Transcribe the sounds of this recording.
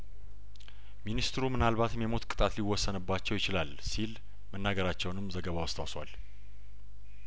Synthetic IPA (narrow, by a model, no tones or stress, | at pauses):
minist̪ʰɾumɨnalβat̪mjɛmo̞t̪kʼɨ̥t̪ʼat̪liwːɔsːənɨbːat͡ʃːɛwjɪt͡ʃɪlalsil | mənːaɡəɾat͡ʃːɛwnɨmːzəɡəβawɔst̪ʰa̰wswa̰l